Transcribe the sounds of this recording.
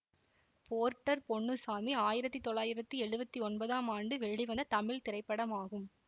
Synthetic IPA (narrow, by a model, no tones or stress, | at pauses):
poːɾʈːɐɾpɔɳːɯsaːmiaːjɪɾɐt̪ːit̪ɔɭːaːjɪɾɐt̪ːiɛɻɯbɐt̪ːiɔnbɐðaːmaːɳɖɯʋɛɻiʋɐnd̪ɐt̪ɐmɪɭt̪ɪɾɐɪpːɐɽɐmaːɣɯm